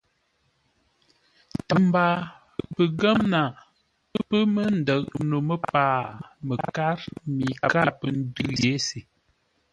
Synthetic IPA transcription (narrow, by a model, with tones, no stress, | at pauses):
ə˨mba˨ | pə˨ɡə˦mna˨ | pə˦pə˦mə˦n˨də˨ʔ̚no˨mə˦paː˦˨mə˨ka˦ɾmi˨ka˦pə˨n˦dʉ˦lje˨˦si˨